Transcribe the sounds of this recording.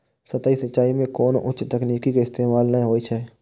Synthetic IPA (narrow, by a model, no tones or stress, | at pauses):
sɐt̪aːisɐtːʃaːimẽkoːnʔʊt͡ʃt̪ɛkniːkikeɪst̪eːmaːlnəĩɦoːit͡ʃʰɛː